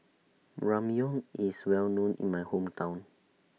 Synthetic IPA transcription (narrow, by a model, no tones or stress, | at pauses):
ɹãmiɔ̃ŋiswɛlnõnʔḭ̃nmajhõmtʰãw̃n